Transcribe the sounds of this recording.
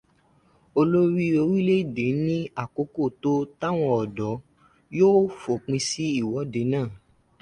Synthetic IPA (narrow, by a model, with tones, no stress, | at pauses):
o˧lo˦ɾi˦o˧ɾi˦le˦˨de˨˦nĩ˦a˦˨ko˨˦ko˦˨to˦ta˦w̃ɔ̃˧ɔ˨dɔ˨˦ | joː˦fo˨k͡pĩ˧si˦i˦˨wɔ˨˦de˨˦nãː˦˨